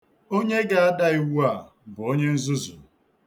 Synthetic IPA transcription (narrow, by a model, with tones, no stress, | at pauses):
o˦ɲe˦ɡa˨a˦da˦i˦wu˦a˦˨ | bʊ˨o˦ɲe˦n̩˦zʊ˦zʊ˨